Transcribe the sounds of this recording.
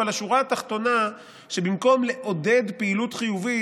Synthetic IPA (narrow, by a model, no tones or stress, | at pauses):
alaʃuʁaːt̪aχt̪o̞na | ʃebimko̞mle̞ʔo̞d̪e̞d̪peilut̪χijuvi